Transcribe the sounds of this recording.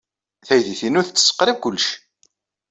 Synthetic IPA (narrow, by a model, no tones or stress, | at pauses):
θæjðiθinʊθət͡sːə̥sːə̥qːɾivkʊlːʃ